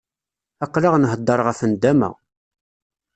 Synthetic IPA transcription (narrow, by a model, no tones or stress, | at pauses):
æqːlaʁnɦəd̪ˤːəɾˤʁæfənd̪æmæ̰